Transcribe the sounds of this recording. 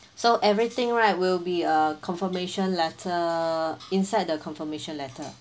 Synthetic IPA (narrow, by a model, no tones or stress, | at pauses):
soʔɛvɹit̪ɪ̃ŋɹaɪt̚wilbiəkʰɔ̃nfəmeʃə̃nlɛtʰə | ĩnsaɪd̚dəkʰɔ̃nfəmeʃə̃nlɛtʰə